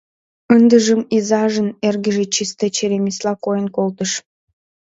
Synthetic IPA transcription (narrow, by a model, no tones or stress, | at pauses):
ənd̪əʒəmizɑʒənerɣə̆ʒĕt͡ɕist̪et͡ɕeɾemislɑkojənkolt̪əʃ